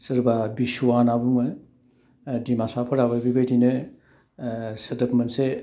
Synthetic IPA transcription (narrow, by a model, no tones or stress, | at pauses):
sɯɾbabisuanabuŋɯ | dimasapʰɐɾababibajdinɯ | sɐdɐkmɐnse